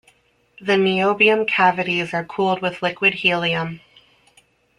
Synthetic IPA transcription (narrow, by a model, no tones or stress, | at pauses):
ðɨnioʊbiɨ̃mkʰævɨɾizə˞kʰulˠd̚wɨð̥lɪkwɨd̚hilˠiə̃m